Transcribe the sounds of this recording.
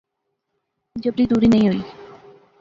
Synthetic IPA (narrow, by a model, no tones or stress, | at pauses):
d͡ʑobɾid̪uɾinejoj